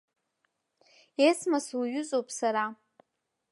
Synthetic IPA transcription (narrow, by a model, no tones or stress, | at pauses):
esʰmasuɥʏt͡sʼowpʼsaɾa